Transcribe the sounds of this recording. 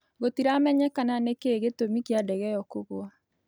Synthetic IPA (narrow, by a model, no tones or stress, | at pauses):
ɣotiɾamɛɲɛkananekeːɣetomikjadɛɣɛjɔkoɣwa